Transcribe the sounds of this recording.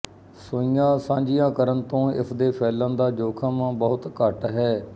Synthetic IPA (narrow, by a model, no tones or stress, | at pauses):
soːijãːsãːɲd͡ʒɪjãːkəɾənt̪õːɪ̰sd̪eːpʰɛːlãːnd̪aːd͡ʒoːkʰãːmãːbəʊt̪kəʈɦɛː